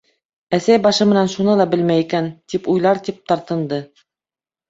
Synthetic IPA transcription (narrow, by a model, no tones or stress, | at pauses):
æsæjbɑʃɤmɘ̆nænʃunɤlˠɑbɘlmæjikænt̪ipujlˠɑɾt̪ip̚t̪ɑɾt̪ɤ̆nd̪ɤ